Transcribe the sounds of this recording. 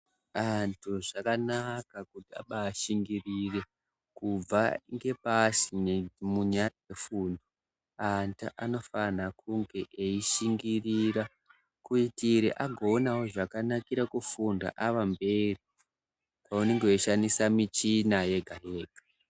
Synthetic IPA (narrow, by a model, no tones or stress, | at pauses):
antʰuʐakanakakutia̰ɓaːʃiŋɡirire̞ | kub͡vaŋɡe̞pasinemuɲaad͡zefuːndo | anta̰ʔano̞fanakuŋɡe̞ʔeiʃiŋɡiriɾa | kuitiɾḭʔaɡʱo̞ːnawoʐakanakiɾakufunda̰ʔaʋambe̞ri | kwauneŋɡeoʃanisamit͡ʃinajeɡʱaɦe̞ːɡ̥ʱa